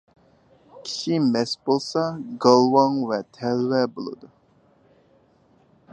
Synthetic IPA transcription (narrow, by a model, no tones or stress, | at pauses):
kʲʰi̥ʃimɛsbolˠsɑɡɑlˠwɑŋvɛt̪ʰɛlwɛbolˠɨ̰d̪u